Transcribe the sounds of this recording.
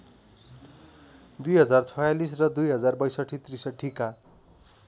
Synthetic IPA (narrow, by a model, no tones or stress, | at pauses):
d̪ujɦʌd͡zart͡sʰʌjalis̬rʌd̪ujɦʌd͡zarbʌjsʌʈʰit̪risʌʈʰika